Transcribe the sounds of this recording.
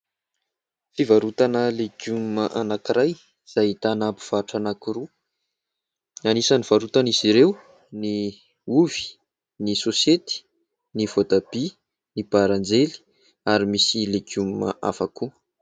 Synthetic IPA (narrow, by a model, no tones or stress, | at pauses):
fivaɾut̪anəleɡumməʔanakiɾaj | z̥ait̪anapu̥v̥aʈ͡ʂanakiɾu | anisaniv̥aɾut̪aniz̥iɾew | ni | uvi̥ | nisosiet̪i̥ | nivot̪ab̥i | nibaɾand͡zeli̥ | aɾimisileɡummə̰ʔa̰fakʰu